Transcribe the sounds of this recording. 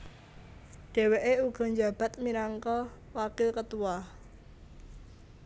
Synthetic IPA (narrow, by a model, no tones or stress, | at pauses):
ɖ̥e̤weʔeuɡ̥ɔ̤ɲd͡ʒab̥a̤t̪̚minaŋkɔ | wakɪlkət̪uah